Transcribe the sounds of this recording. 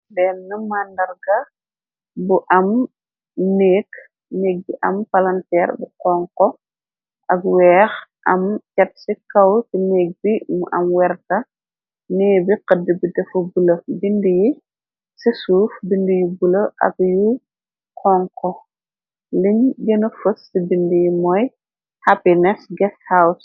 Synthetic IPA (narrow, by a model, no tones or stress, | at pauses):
bɛːlnɐmandɐrɡɐ | buʔɐm | nɛːk | nɛːk̚biʔɐmpɐlɐntɛːrbuqɔːŋkɔ | ʔɐkwɛːxʔɐ̰mcɐt̚sikɐwtinɛːk̚bimuʔɐ̰mwɛrtɐ | nɛːbiqədːəbidɛfubulɐbindiji | sisuːfbindujibulɐʔɐ̰k̚ju | qʰɔːŋkɔ | liɲɟɐnɐfəsːibindujimɔj | hɐpinɛsɡɛshaws